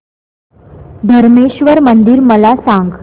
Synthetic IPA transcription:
d̪ʱəɾmeɕʋəɾmənd̪iːɾməlasaŋɡ

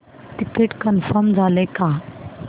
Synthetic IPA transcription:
ʈikeʈkənfəɾmd͡zʱaleka

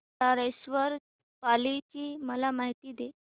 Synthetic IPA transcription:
taɾəsʋəɾ | palit͡ɕiːməlamaɦit̪iːd̪e

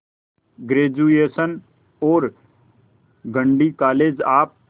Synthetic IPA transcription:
ɡɾeːd͡ʒueːsən | oːɾ | ɡə̃ɳɖiːkaːleːd͡ʒaːp̚

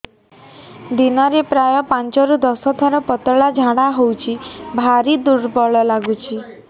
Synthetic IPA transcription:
d̪inɔɾepɾajɔpant͡ʃɔɾud̪ɔsɦɔt̪ʰɔɾɔpɔt̪ɔɭad͡ʒʱaɽ̃aɦowt͡ʃʰibʱaɾid̪uɾbɔɭɔlaɡut͡ʃʰi

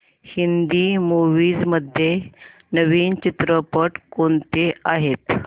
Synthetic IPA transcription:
hind̪iːmoʋiːd͡zməd̪ʱːje | nəʋiːnt͡ɕit̪ɾəpəʈkoɳt̪eaɦet̪

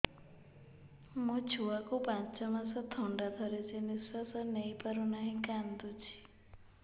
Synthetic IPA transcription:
mũt͡ʃʰuakupãnt͡ʃɔmasɔt̪ʰɔɳɖad̪ʱɔɾed͡ʒeniswasɔnejpaɾunaɦĩkand̪ut͡ʃʰi̥

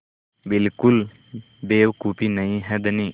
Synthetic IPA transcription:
bɪlkʊl | beːwkupinəĩɦɛd̪əni

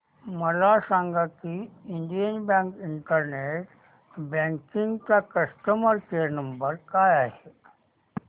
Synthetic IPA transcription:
məlasãːŋɡakiiɳɖijənbãːŋkiɳʈəɾneʈ | bãːŋkĩŋɡkakəsʈəməɾkenəmbəɾkaːjaɦe

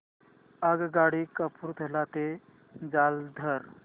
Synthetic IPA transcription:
əɡɡaɽikəpʰuɾt̪ʰelat̪e | d͡ʒald̪ʱəɾ

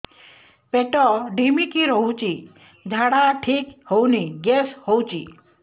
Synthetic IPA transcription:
peʈɔɖʱimikiɾɔũt͡ʃi | d͡ʒʱaɽaʈʰikhowniɡeshɔwt͡ʃḭ

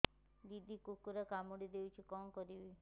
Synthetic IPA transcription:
d̪id̪ʱikukuɾakamuɽid̪ewt͡ʃʰikɔmkɔɾibe

